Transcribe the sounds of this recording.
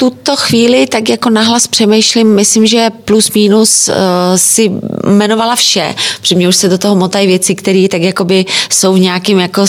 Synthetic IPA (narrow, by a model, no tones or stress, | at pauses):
t̪ut̪o̞xviːlɪt̪akjako̞naɦlaspr̥ɛmɛjʃlɪmːɪslɪmʒɛplusmiːnus | sɪmɛno̞valafʃɛ̰̥r̥ɛmɲɛuʃsɛdot̪oɦomot̪ajɪvjɛt͡sɪkt̪ɛɾiːt̪akjako̞bɪso̞wvɲɛakɪmjako̞